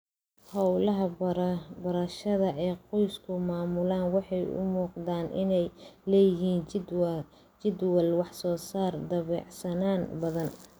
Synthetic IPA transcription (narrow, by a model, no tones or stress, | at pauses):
hɑwlɐɦɐ | bɐɾɐʃɐðɐʔɛːqɔjskʰʊmaːmʊlaːnwɑħɑjʊ̰muːqd̪aːnʔɪnɛjlɛːjɪɦiːn | t͡ʃɪd̪wɐlwɑħsɔːsaːrd̪ɐβɛ̰ːʕsɐnaːnbɐðɐn